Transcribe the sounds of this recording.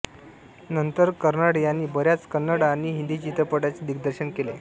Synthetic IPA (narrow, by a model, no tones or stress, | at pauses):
nənt̪əɾkəɾnəɽjanːiːbəɾjat͡skənːəɽaːɽ̃iɦind̪it͡ɕit̪ɾəpəʈat͡sed̪ik̚d̪əɾɕənkele